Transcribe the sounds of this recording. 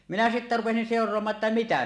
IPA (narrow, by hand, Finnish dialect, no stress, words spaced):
minæ sitːæ rupesin seˑorˑoɑmɑː tːɑ mitæ